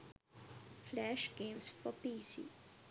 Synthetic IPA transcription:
flɛʃɡ̥ẽmsfɔpiːsḭ

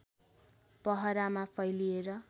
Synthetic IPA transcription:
pʌɦʌɾamapʰʌjlieɾʌ

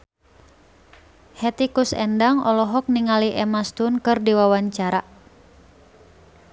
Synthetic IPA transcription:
hɛt̪ikusɛ̰ndaŋɔlɔɦɔk̚niŋaliʔɛmast̪unkɨrdiwawaɲt͡ʃaɾa

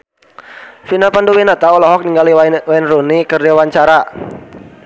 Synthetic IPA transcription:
finapanduwinat̪aɔlɔɦɔk̚niŋɡaliwainrunikərdiwaɲt͡ʃaɾa

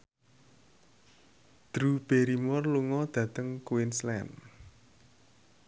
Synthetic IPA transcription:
d̪̥ɾub̥eɾimɔrluŋɔd̪̥ä̤t̪əŋkuɪnslɛ̰n

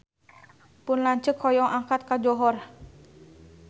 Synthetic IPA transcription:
pʊnlaɲt͡ʃəkʰɔjɔŋʔaŋkat̪̚kad͡ʒɔɦɔr

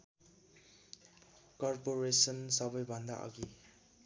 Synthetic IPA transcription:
kɔɾpoɾesʌnsʌbʌjbʱʌnd̪aʔa̰ɡi

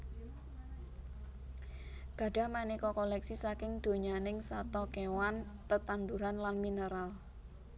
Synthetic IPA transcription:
ɡ̥ä̤ɖ̥a̤manikɔkɔlɛksisakɪŋd̪̥o̤ɲanɪŋsat̪ɔkewant̪ət̪and̪uɾanlanminəɾal

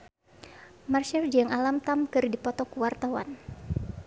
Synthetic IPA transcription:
marʃɛrd͡ʒəŋalamt̪amkɨrdipɔt̪ɔkuwart̪awa̰n

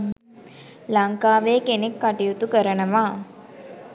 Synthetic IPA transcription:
laŋkaːʋeːkenekːaʈijut̪ukəɾənəʋaː

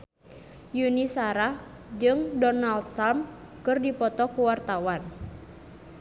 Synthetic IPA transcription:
junisaɾa | d͡ʒɨŋdɔnald̪amkɨrdipɔt̪ɔkuwart̪awan

